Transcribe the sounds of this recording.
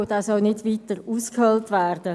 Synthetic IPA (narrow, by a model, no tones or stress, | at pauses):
d̥ɑːsɔlnɪdʋiːtəɾuːskhœltʋɛːrd̥ə